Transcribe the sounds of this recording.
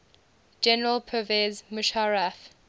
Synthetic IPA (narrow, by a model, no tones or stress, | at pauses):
d͡ʒɛnəɹəlˠpʰəvɛzməʃaɹaf